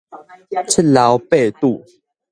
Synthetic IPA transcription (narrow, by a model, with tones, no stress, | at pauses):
t͡sʰə˥˨la˨˦wpe˥˧t̪u˥˨